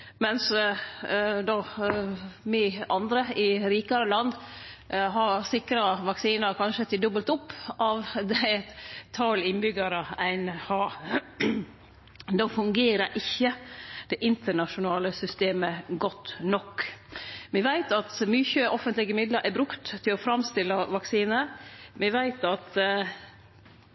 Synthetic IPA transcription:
mɛns | d̪ɔ | mɪʔɑnd̪ɾəɪɾiːkɑɾəlɑnd̪ | ɦɑɾsɪkɾɑʋɑksiːnəɾkʰɑnʃət̪ʰɪd̪ɔbəlt̪ʊpːʔɑʋd̪ɛæt̪t̪ʰːɑːlɪnbʏɡɑɾəæɪnhɑː | d̪ɑːfʉŋɡeːɾəɾʔɪçːəd̪̥ɛʔɪnt̪əɳɑʂʊnɑːləsʏst̪eːməɡɔt̪ːnɔkː | ʋɪʋæɪt̪ɑt̪myːçəʔɔfənt̪lɪɡəmɪd̪ləɾʔɛbɾʉkt̪ʰːɪlɔfɾɑmst̪ɪlːəʋɑksiːnəʋɪʋæɪt̪ɑt̪

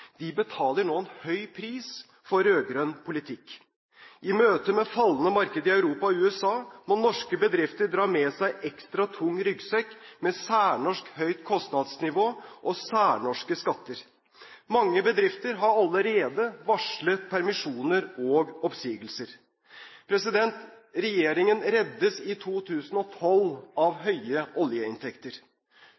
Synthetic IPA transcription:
d̪̥ɪbət̪ʰɑːləɳoːɛnhœʏpʰɾiːs | fɔɾøːɡɾœnpʰʊlɪt̪ʰɪkː | ʔɪmøːt̪əmɛfɑlːənəmɑɾkəd̪əɪɑʉɾuːpɑɔʉːɛsɑːmɔnɔʂkəbəd̪ɾɪft̪əɖɾɑːmɛːsæɪʔɛkst̪ɾɑt̪ʰʊŋːɾʏɡsɛkːmɛsæːɳɔʂkhœʏt̪kʰɔst̪nɑd̪snɪʋoːʔɔsæːɳɔʂkəskɑt̪ːəɾ | mɑŋːəbəd̪ɾɪft̪əɾɦɑɾɑləɾeːd̪əʋɑʂlət̪pʰæɾmɪʂuːnəɾɔːɡɔpsiːɡəlsəɾ | pʰɾɛsɪd̪ɛnt̪ | ɾɛjeːɾɪŋənɾɛd̪ːəsɪt̪ʰuːt̪ʰʉːsən̩ɔt̪ʰɔlɑʋɦœʏəʔɔljəɪ̰nt̪ʰɛkt̪əɾ

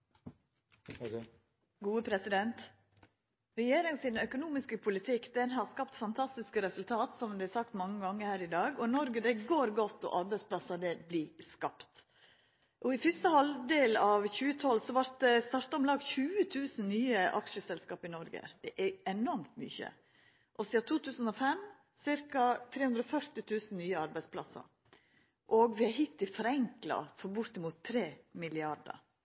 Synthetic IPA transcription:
ɡuːəpʰɾɛsɪd̪ɛnt̪ | ɾɛjeːɾɪŋsɪnœkʊnuːmɪskəpʰʊlɪt̪ʰɪkːd̪ɛnɦɑɾskɑpt̪fɑnt̪ʰɑst̪ɪskəɾɛsʉlt̪ʰɑːt̪sɔmd̪ɛæsɑk̚t̪mɑŋːəɡɑŋːəɾhæːɾɪd̪ɑːɡɔnɔɾɡəd̪ɛɡoːɾɡɔt̪ːɔ̰ʔɑɾbæɪtsplɑsɑd̪ɛbliːskɑpt̪ | ʔɔɪfʏst̪əhɑlʋd̪eːlɑːʋçʉːət̪ʰɔlsɔʋɑɾt̪̚d̪ɛst̪ɑːɾt̪ɑɔmlɑːɡçʉːət̪ʰʉːsn̩nyːəʔɑ̰kʃəsɛlskɑːpɪnɔɾɡə̰d̪̥ɛʔæɛnɔɾmt̪my̰ːçə̰ | ʔɔsɪɑt̪ʰuːt̪ʰʉːsən̩ɔfɛm | sɪɾkɑt̪ʰɾeːhʉnd̪ɾɔfœɾt̪ɪt̪ʰʉːsnnyːəɑɾbæɪspʰlɑ̰sɑ̰ɾ | ʔɔɡʋɪæɦɪt̪ːɪfɔɾɛŋklɑ̰fɔɾbʊɾt̪ɪmuːt̪ʰːɾeːmɪlɪɑɾɖ̪ə̰

